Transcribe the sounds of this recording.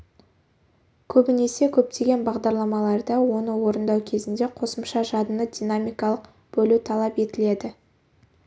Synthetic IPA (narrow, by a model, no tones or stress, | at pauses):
kʲʰɵbɪne̞se̞kʲʰɵp̚t̪e̞ɡʲe̞nbɑʁd̪ɑɾlˠɑmɑlˠɑɾd̪əwo̞nəwo̞ɾənd̪ɑwkʲʰe̞zɪnd̪e̞qʰo̞səmʃɑʒɑd̪ənəd̪ʲinamijkɑlˠəq | b̥ɵlut̪ʰɑlˠɑpe̞t̪ɪle̞d̪ɪ